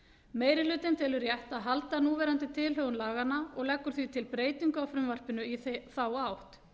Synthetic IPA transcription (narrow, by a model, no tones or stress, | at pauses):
meːjɾɪlʏːt̪ɪnt̪ʰɪlʏɾjɛht̪aðɦalt̪anuːvɛːɾant̪ɪt̪ʰɪlɦœːɣʏnlaːɣanːaɔɣlɛkːʏɾ̥θvit̪ʰɪlpɾeːjt̪iŋkawfɾʏmvar̥pɪnʏiθθawawht̪